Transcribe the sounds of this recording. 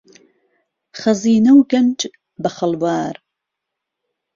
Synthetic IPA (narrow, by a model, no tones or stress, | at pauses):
χɐziːnɐwɡɐnd͡ʒ | bɐχɐlbaːɾ